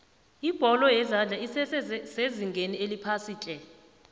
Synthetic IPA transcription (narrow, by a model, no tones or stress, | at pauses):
ib̥ʱɔlɔjɛzand͡ɮʱaisɛseziŋɡʱenielipʰasiːt͡ɬʼɛ